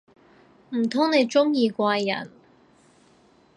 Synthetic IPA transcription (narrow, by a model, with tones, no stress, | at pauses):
m̩˨˩t̪ʰʊ˥ŋne˨˧jt͡ʃʊ˥ŋjiː˧kʷaː˧jjɐ̰˨˩n